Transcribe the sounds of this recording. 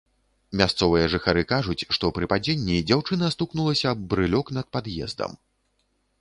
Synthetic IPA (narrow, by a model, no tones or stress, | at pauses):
mʲast̪sɔvɨjɐʐɨxaɾɨkaʐut͡sʲʂt̪ɔpɾɨpad͡zʲenʲːid͡zʲawt͡ʂɨnɐst̪uknulˠɐsʲɐːbbɾɨlʲɔkn̪ɐt̪̚pad̪jɛ̰zd̪ɐ̰m